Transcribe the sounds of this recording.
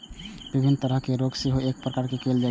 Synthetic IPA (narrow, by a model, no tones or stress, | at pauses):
bibʱinːt̪əɾəɦkeɾoɡseɦoek̚pɾəkaɾkekeld͡ʒa